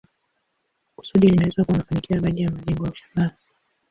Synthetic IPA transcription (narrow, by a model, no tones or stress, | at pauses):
ku̥suɗilinawɛzwakuwanafanikiaɓaɗijamaʄɛŋɡɔjauʃḁmaɾa